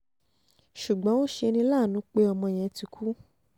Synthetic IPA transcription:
ʃu˨ɡ͡bɔ̃˨˦wo˦ʃe˧nĩ˧˦laː˦˨nũ˨˦k͡pe˧ɔ˧mɔ̃˧j̃ɛ̃˨˦ti˨˧kʰu˦

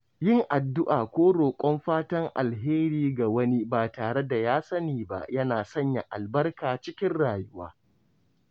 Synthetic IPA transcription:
jɪ˦ŋʔa˨dːʊ˦ʔaː˨kʷoː˦ɽoː˨kʷʼɔ˦mɸaː˦tɐ˦ŋʔa̰˨lɦeː˦ɾiː˦ɡa˨wɐ˦ni˦baː˨taː˨ɽe˦da˨jaː˦sɐ˦niː˨ba̰˨jɐ˦naː˨sɐ˦ɲja˨ʔa̰˨lbɐ˦rkaː˨t͡ʃɪ˦kʲɪ˦nɽaː˨jʊ˦wa̰ː˦

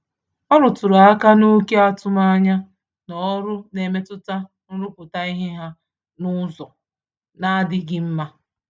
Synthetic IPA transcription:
ɔ˦ɾʊ˨tʊ˨ɾa˨a˦ka˦nu˦ke˦a˦tʊ˦ma˦ɲa˦ | nɔ˨˦ɾʊ˦ne˨me˦tʊ˦ta˦ | n̩˦ɾʊ˦pʊ˨ta˦i˦ɦe˦ɦa˦ | nʊ˦zɔ˨ | na˦dɪ˨ɡɪ˦m̩˦ma˦

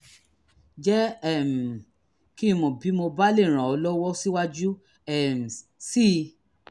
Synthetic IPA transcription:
d͡ʒɛ˦ɛ˦˨m̩˨ | ki˦˧mɔ̃˨bi˨˦mo˧ba˦le˦˨ɾ̃ã˨ɔ˨˧lɔ˦wɔ˦si˦wa˦d͡ʒu˦ | ɛ˦˨m̩˨ | si˦

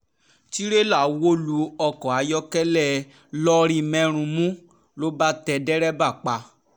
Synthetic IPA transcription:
ti˦ɾe˦la˦˨˦wo˦lu˧ɔ˧kɔ̃˨a˨˧jɔ˦kɛ˦lɛ˦˨ | lɔ˦ɾĩ˦mɛ̃˦ɾ̃ũ˧mũ˦ | lo˦ba˦tɛ˧dɛ˦ɾɛ˦ba˦˨k͡pa˧

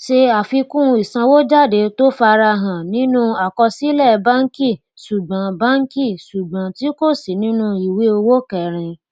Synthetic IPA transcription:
ʃe˧a˨fi˧kũ˦˧i˨sã˧wo˦d͡ʒa˦˨de˨˦to˦fa˧ɾa˧ɦã˨nĩ˨˦nũ˦a˨kɔ˧si˦lɛ˦˨˧ba˦ŋ̩˦ki˦˨ | su˨ɡ͡bã˨˦ba˦ŋ̩˦ki˦˨su˨ɡ͡bã˨ti˦ko˦˨si˨nĩ˦nũ˦i˨we˨˦o˧wo˦kɛ˦˨ɾ̃ĩ˧

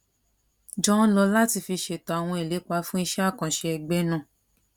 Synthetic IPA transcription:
d͡ʒɔ̃˦n˦lɔ˧la˦ti˧fi˧ʃe˨ta˨a˨w̃ɔ̃˧e˨le˨˦k͡pa˧fũ˦i˧ʃa˦˨kã˨ʃe˧ɛ˧ɡ͡bɛ˦nã˦˨

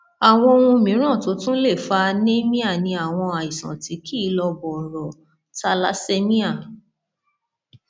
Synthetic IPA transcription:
a˨w̃ɔ̃˧o˧wũ˧mĩ˨˦ɾ̃ã˦˨to˨˦tũ˦le˦˨fa˧nẽ˦mĩ˦a˦˨nĩ˧a˨w̃ɔ̃˧a˨i˨sã̰˨ti˨˦ki˦˨˧lɔ˧bɔ˨ɾɔ˨ | ta˦la˦se˦mĩ˦a˦˨

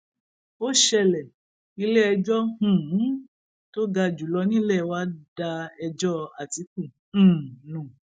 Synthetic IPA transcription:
o˦ʃɛ˧lɛ˨ | i˧le˦ɛ˧d͡ʒɔ˦h̩˨˦ | to˦ɡa˧d͡ʒu˨lɔ˧nĩ˦lɛ˦˨wa˦da˧ɛ˧d͡ʒɔ˦a˨ti˨˦k̚ũ˦˨ | nũ˨

